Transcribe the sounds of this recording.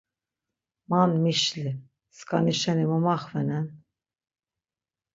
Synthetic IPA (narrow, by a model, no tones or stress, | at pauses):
manmiʃli | skʰaniʃɛnimumaχvɛnɛn